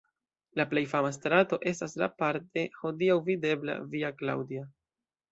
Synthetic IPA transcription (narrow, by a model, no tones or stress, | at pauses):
laple̞jfamas̬tɾato̞ʔe̞stasla̰paɾte̞ho̞diawvide̞bla̰viakla̰wdia